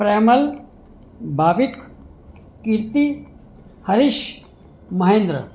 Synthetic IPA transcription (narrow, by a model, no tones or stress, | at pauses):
pɾejmɐl | bʱaːʋik | kiɾt̪i | hɐɾiʃ | mɐɦẽːnd̪ɾə̰